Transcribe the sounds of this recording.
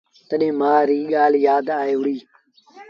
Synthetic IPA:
t̪əɗẽːmaːɾiːɠaːljaːd̪aːeːʊɽiː

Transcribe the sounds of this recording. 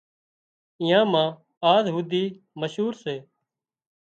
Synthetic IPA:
ɪjãːmãː | aːzɦuːd̪iː | məʃuːɾseː

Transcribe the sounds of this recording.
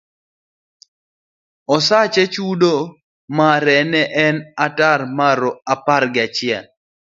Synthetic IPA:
ɔsat͡ʃet͡ʃudo | maɾɛnɛʔɛnatarmaɾɔaparɡɪat͡ʃɪɛl

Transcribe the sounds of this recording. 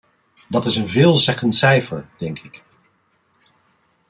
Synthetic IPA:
dɑtɪsənvɪːlˠzɛχənsɛjfəɹd̥ɛŋkʰɪk

